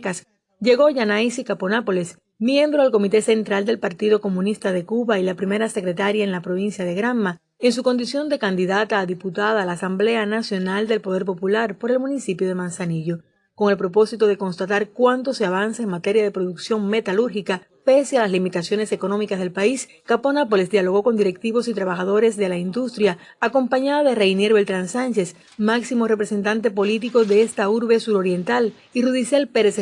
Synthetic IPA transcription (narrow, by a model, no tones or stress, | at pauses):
kas | ʝe̞ɣo̞ʝanajsikaponapo̞les | mjẽ̞mbɾo̞alko̞mit̪e̞se̞nt̪ɾald̪e̞lpaɾt̪iðo̞ko̞mũnist̪aðe̞kuβailapɾime̞ɾase̞kɾe̞t̪aɾjaeŋlapɾo̞β̞insjaðe̞ɣɾamːa | eŋs̬uko̞nd̪isjo̞nd̪e̞kand̪iðat̪aːðiput̪aðaːlaːsamble̞anasjo̞nald̪e̞lpo̞ðe̞ɾpo̞pulaɾpo̞ɾe̞lmũnisipjo̞ð̞e̞mãnsaniʎo̞ | ko̞ŋe̞lpɾo̞p̬o̞sit̪o̞ðe̞ko̞nst̪at̪aɾkwant̪o̞se̞aβ̞ansaeŋmat̪e̞ɾjað̞e̞pɾo̞ðuksjo̞ŋme̞t̪aluɾxika | pe̞sealaslimit̪asjo̞ne̞se̞ko̞nõ̞mikasðe̞lpais | kapo̞nap̬o̞lesd̪jalo̞ɣ̞o̞ko̞nd̪iɾe̞k̚t̪iβo̞sit̪ɾaβaxaðo̞ɾe̞sðe̞laind̪ust̪ɾjaː | ko̞mpaɲaðaðe̞rejneɾβelt̪ɾansant͡ʃes | maksimo̞repɾe̞se̞nt̪ant̪e̞p̬o̞lit̪iko̞ðeest̪auɾβe̞suɾo̞ɾje̞nt̪al | iruðisjelpeɾes